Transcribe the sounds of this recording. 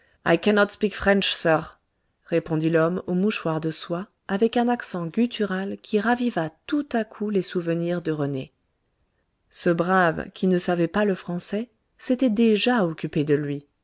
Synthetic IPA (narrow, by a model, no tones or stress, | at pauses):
a̰jkɛnɔt̪spikfχɛ̃nʃsœʁ | ʁepɔ̃d̪ilɔmomuʃwaʁd̪əswaː | vɛkɛ̃naksɑ̃ɡʲylt̪ʰyʁalkʲʰiʁavivat̪ut̪akʰulesuvəniʁd̪əʁəne | səbʁavkʲʰinəsavɛpaləfχɑ̃sɛ | set̪ɛd̪eʒaɔkʲyped̪əlɥi